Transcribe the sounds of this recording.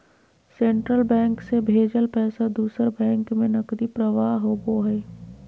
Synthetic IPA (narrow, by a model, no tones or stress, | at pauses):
sẽːɳʈɾəlbɛ̃ːŋksebʱeːd͡ʒəlpɛːsad̪uːsəɾbɛ̃ːŋkmẽnɐkd̪ipɾəʋaːɦɦoːboɦɛː